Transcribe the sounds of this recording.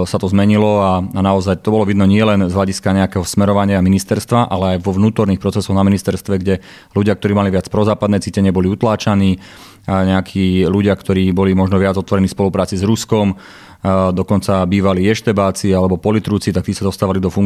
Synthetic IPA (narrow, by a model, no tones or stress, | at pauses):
sat̪ɔzmɛɲilɔaanaɔzajt̪ɔbɔlɔʋid̪nɔɲɪɛlɛnzɦlaɟiskaɲɛakɛɦɔsmɛɾɔʋaɲɪaminist̪ɛɾst̪ʋaʔalɛajʋɔʋnuːt̪ɔɾniːxpɾɔt͡sɛsɔɣnaminist̪ɛɾst̪ʋɛɡɟɛ | luɟɪak̚t̪ɔɾiːmaliʋɪat͡spɾɔzaːpad̪nɛt͡siːcɛɲɪɛbɔliut̪laːt͡ʃaniː | ɲɛakʰiːluɟɪakt̪ɔɾiːbɔlimɔʒnɔʋɪad͡zɔt̪ʋɔɾɛnifspɔlupɾaːt͡sizɾuskɔm | d̪ɔkɔnt͡sabiːʋaliɛʃt̪ɛbaːt͡sialɛbɔpɔlit̪ɾuːt͡sit̪ak̚t̪iːsad̪ɔst̪aːʋalid̪ɔfuŋ